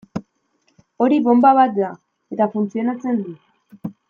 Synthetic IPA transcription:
o̞ɾiβo̞mbaβat̪̚d̪a | e̞t̪afunt͡sio̞nat͡se̞nd̪u

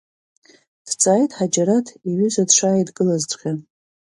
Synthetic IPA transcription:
d̥t͡sʼaːjtʼħad͡ʒaɾatʰiɥʏzʷadʂaːjdɡɨlazt͡sʷʼχʲa

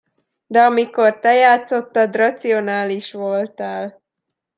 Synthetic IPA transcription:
d̪ɛɒmiko̞rt̪ɛjaːt̪so̞t̪ːɒd̪rɒt̪sio̞naːliʃʋo̞lt̪aːl

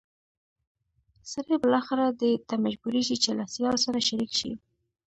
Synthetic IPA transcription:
səɾhebəlɑxɪɾad̪ət̪amad͡ʒbuɾeʒit͡ʃelasjɑlosaɾaʃaɾikʃḭ

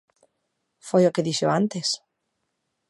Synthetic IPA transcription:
fojokeðiʃoãnt̪es

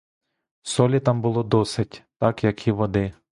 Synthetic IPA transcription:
sɔlʲit̪ɑmbʊlˠɔd̪ɔsɪtʲt̪ɑkjɐkiʋɔd̪ɪ

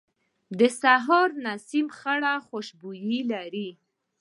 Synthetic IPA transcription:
d̪əsaɦɔɾnasimxaɽaxoʃbujilaɾi

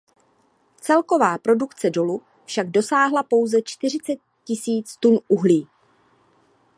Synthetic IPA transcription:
t͡sɛlko̞vaːpɾo̞dukt͡sɛdo̞lu | fʃaɡ̚do̞saːɦlapo̞wzɛt͡ʃt̪ɪr̝ɪt͡sɛt̪̚ | cɪsiːt͡st̪unʔuɦliː

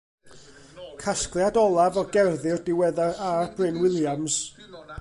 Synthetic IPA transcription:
kʰasklˠjadɔlˠavɔɡɛrðɪrdɪwɛðaarb̥rɪnwɪlˠjams

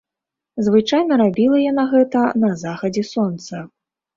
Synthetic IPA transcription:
zvɨt͡ʂajnɐɾabʲilˠɐjanaɣɛt̪ɐnɐzaxɐd͡zʲɛsɔnt̪sɐ

